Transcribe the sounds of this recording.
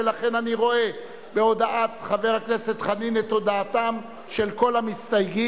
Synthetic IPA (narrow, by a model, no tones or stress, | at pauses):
elaχe̞naniʁo̞e̞ | be̞o̞d̪aʔat̪χave̞ʁakne̞se̞t̪χaninet̪o̞d̪aːt̪am | ʃe̞lko̞lamist̪ajɡi